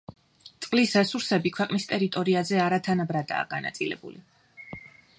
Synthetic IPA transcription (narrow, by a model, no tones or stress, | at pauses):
t̪sʼqʼlisɾɛsuɾsɛbikʰwɛqʼnist̪ʼɛɾit̪ʼɔɾiazɛaɾat̪ʰanabɾad̪a̰ːɡana̰t̪sʼilɛ̰bṵli